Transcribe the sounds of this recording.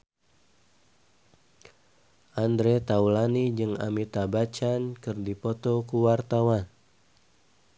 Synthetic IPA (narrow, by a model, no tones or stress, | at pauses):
ʔandɾet̪aulanid͡ʒɨŋa̰mit̪abat͡ʃankɨrdipɔt̪ɔkuwart̪awan